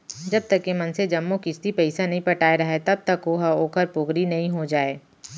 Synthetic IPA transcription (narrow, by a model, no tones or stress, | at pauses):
d͡ʒɐb̚t̪ɐkːemɐnsed͡ʒɐmːokɪst̪ipɐɪsanɐɦĩpɐʈaːeɾɐɦet̪ɐb̚t̪ɐkɦoɦɐoːkəɾpoːɡɾinɐɦĩɦod͡ʒaːeː